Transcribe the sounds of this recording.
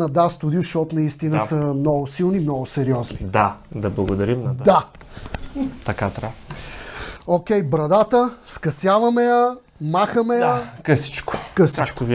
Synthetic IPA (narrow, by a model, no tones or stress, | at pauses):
nɐd̪ast̪ʊd̪juʃɔt̪nɐist̪inəsəmnɔɡʊsilˠnimnɔɡʊsɛɾiɔznid̪ad̪ɐblˠɐɡod̪ɐɾimnd̪a | t̪ɐkat̪ɾa | ok̟ʲɛjbɾɐd̪at̪əskɐsjavɐmɛjə | maxəmɛjəkəsi̥t͡ʃkʊ̥kəsit͡ʃkv